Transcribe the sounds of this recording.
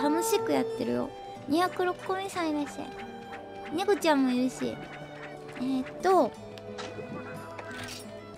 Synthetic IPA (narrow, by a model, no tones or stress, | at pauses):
ano̞ɕikɯ̟jat̪ːe̞ɾɯ̟jo̞̰ | ɲ̟içakɯ̟ɾo̞kɯ̥komʲĩsãiɾaɕi̥t̪a̰i | ne̞ko̞t͡ɕãmːo̞jɯɯɕḭ | et̪ːo